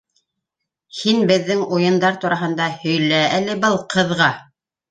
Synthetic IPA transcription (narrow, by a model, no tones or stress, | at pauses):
hinbɘ̆ðːɘŋujɤ̆nd̪ɑɾt̪uɾɑɦɤ̆nd̪ɑhɵ̆jlæælɘ̆bɤlˠqʰɤ̆ðʁɑ